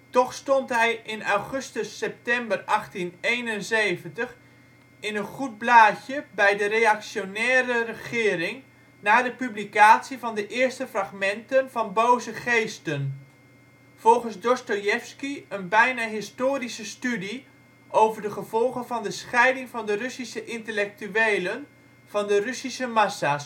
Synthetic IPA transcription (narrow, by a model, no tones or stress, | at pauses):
tɔχstɔntɦɛjʔɪnawχɵstəsːɛp̚tɛmbərʔɑχtineːnənzejvəntəχ | ɪnənχut̚blaːçjəbɛjdərejaksjonɛːrərəχɪːɾɪŋ | naːdəpyblikaːtsivɑndəʔɪərstəfraχmɛntənv̥ɑnbowzəχejstən | v̥ɔlˠχənsdɔstojɛfskiənbɛjnaːɦɪstoːrisəstydi | ʔowvərdəχəv̥ɔlˠχənvɑndəsχɛjdɪŋvɑndərysisəʔɪntəlɛk̚tyeːlən | v̥ɑndərysisəmasas